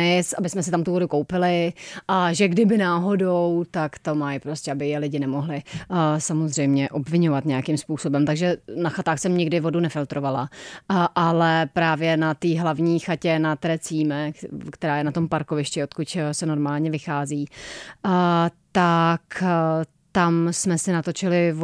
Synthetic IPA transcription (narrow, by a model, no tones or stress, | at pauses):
ɪsʔabɪsmɛsɪt̪amt̪uvo̞dukowpɪlɪʔaʒɛɡdɪbɪnaːɦo̞dowt̪akt̪omajpɾoscɛabɪjɛlɪɟɪnɛmoɦlɪsamozr̝ɛjmɲɛʔo̞bvɪɲovat̪ɲɛjakimspuːso̞bɛmt̪aɡʒɛnaxat̪aːxsɛmɲɪɡdɪvo̞dunɛfɪlt̪ɾo̞valaʔalɛpɾaːvjɛnat̪iːɦlavɲiːxacɛnat̪ɾɛt͡siːmɛkt̪ɛɾaːjɛnat̪o̞mpaɾko̞vɪʃcɪot̪kʊcsɛno̞ɾmaːlɲɛvɪxaːziː | t̪ak | t̪amsmɛsɪnat̪o̞t͡ʃɪlɪv